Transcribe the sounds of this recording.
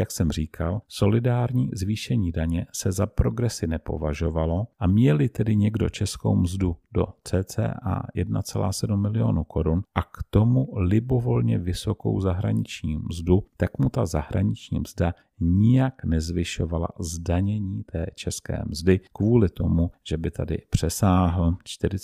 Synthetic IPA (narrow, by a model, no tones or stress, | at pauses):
jaksɛmr̝iːkʰalso̞lɪdaːɾɲiːzviːʃɛɲiːdaɲɛsɛzapɾo̞ɡɾɛsɪnɛpo̞̰vaʒo̞valo̞ʔamɲɛlɪt̪ɛdɪɲɛɡdo̞̰t͡ʃɛsko̰wmzdudo̞̰t͡sɛːt͡sɛ̰ːʔa̰jɛdna̰t͡sɛla̰ːsɛdumːɪlɪjo̞nukʰo̞ɾunʔakt̪o̞mulɪbo̞vo̞lɲɛvɪso̞ko̞̰wzaɦɾa̰ɲɪt͡ʃɲiːmzdut̪akmut̪azaɦɾaɲɪt͡ʃɲḭːmzda | ɲɪjaknɛzvɪʃo̞vala̰zdaɲɛɲiːt̪ɛːt͡ʃɛskɛ̰ːmzdɪkvuːlɪt̪o̞muʒ̥ɛbɪt̪ʰadɪ̰pr̝̥ɛsaːɦl̩t͡ʃt̪ɪɾɪ